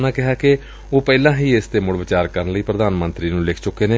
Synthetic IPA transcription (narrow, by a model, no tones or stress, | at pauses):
nãːkɪɦaːkɪ | oːpɛːlãːɦiːest̪eːmʊɽʋɪt͡ʃaːɾkəɾənləiːpɾəd̪aːnmənt̪ɾiːnũːlɪkʰt͡ʃʊkːeːneː